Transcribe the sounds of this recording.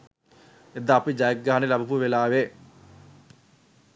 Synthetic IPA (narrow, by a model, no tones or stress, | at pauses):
ed̪ːaːpid͡ʒajək̚ɡaːɦanelabupuʋelaːʋe